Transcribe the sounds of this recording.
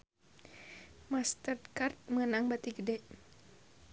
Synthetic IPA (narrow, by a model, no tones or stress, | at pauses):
mast̪ərd̪kart̪̚mənaŋbat̪iɡədɛʔ